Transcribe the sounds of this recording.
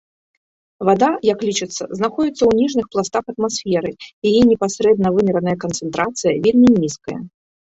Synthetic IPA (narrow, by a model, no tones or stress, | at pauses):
vad̪ajɐklʲit͡ʂɨt̪sːɐ̰znaxɔd͡zʲit̪sːɐwnʲiʐnɨxplˠast̪axɐt̪masfʲɛɾɨjajɛnʲɛpasɾɛd̪̚nɐvɨmʲɛɾɐnɐjɐkɐnt̪sɨnt̪ɾʔat̪sɨjɐvʲelʲmʲinʲiskɐjɐ̰